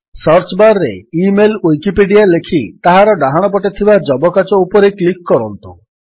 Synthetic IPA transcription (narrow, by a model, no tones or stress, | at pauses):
sɔɾt͡ʃbaɾɾḛimelujkipeɖijalekʰit̪aɦaɾɔɖaɦaɽ̃ɔp̬ɔʈet̪ʰibad͡ʒɔbɔkat͡ʃɔupɔɾeklikːɔɾɔnt̪u